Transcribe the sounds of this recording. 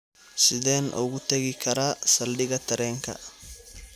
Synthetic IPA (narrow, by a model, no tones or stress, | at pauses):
sɪðɛːnʔʊ̰ɣʊt̪ʰɐɣɪkʰɐɾaːsɐlɖɪɣɐt̪ʰɐɾɛːŋkʰɐ̰